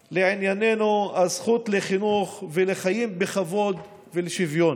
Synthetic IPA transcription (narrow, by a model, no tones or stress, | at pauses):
leʕinjanenuazχut̪leχinuχveleχajimbeχavo̞d̪ | veleʃivjo̞n